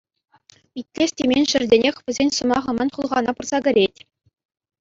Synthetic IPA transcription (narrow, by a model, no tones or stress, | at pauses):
pʲitʲlʲesʲtʲemʲenʲʂɘ̆rʲdʲenʲexʲʋʲɘ̆zʲenʲsɤ̆mɑʁɤ̆mɑnʲχulˠʁɑnɑpurz̥ɑɡʲɘ̆ɾʲetʲ